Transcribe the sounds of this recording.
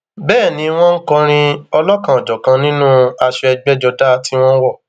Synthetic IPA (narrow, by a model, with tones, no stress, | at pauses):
bɛː˦˨nĩ˨˦w̃ɔ̃˦ŋ̩˦kɔ̃˧ɾ̃ĩ˧ɔ˧lɔ˦kã˨ɔ˨d͡ʒɔ˨kã˨˧nĩ˦nũ˦a˧ʃɔ˧ɛ˧ɡ͡bɛ˦d͡ʒɔ˧da˦ti˦w̃ɔ̃˦wɔ˦˨